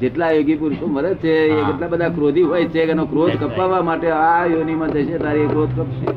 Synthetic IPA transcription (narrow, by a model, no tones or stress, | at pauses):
d͡ʒeʈlajoɡipuɾsomʋəɾət̪t͡ʃʰeekeʈlabəd̪ʱakɾod̪ʱiɦojt͡ʃʰekɛnokɾod̪ʱkəpaʋamaʈeajonimãd͡ʒəʃet̪aɾiekɾod̪̚ʱkəpʃʰḛ